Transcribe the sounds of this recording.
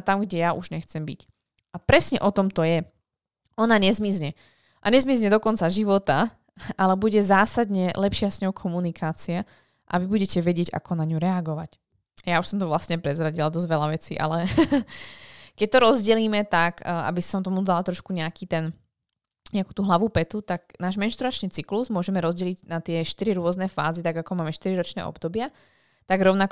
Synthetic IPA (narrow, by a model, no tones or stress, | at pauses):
at̪amɡɟɛjaʔuʒɲɛxt͡sɛmbḭc | apɾɛsɲɛʔɔt̪ɔmt̪ɔjɛ | ɔnaɲɛzmizɲɛ | ʔaɲɛzmizɲɛd̪ɔkɔnt͡saʒiʋɔt̪a | ʔalɛbuɟɛzaːsad̪ɲɛlɛpʃɪasɲɔɦʊkʰɔmunikʰaːt͡sia | ʔa̰ʋibuɟɛcɛʋɛɟɪɛɟa̰kʰɔnaɲuɾɛaɡɔʋac | jauʃsɔmt̪ɔʋlast̪ɲɛpɾɛzɾaɟilad̪ɔzʋɛlaʋɛt͡sḭːʔa̰lɛ | kɛc̚t̪ɔɾɔzɟɛliːmɛt̪aɡa̰bisɔmt̪ɔmud̪alat̪ɾɔʃkuɲɛakiːt̪ɛn | ɲɛaku̥ːt̪uːɦlaʋupɛt̪ut̪ak̚naːʒmɛnʃt̪ɾuat͡ʃniːt͡sikluzmʊɔʒɛmɛɾɔzɟɛliɟnat̪ɪɛʃt̪iɾiɾʊɔznɛfa̰ːzit̪aɡakɔmaːmɛʃt̪iɾiɾɔt͡ʃnɛ̰ʔɔ̰bd̪ɔbɪa | t̪aɡɾɔʊnak